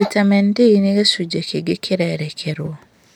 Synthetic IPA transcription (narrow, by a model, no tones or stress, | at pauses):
itamentiniɡesuɟekeɡekʰiɾaeɾekʰeɾo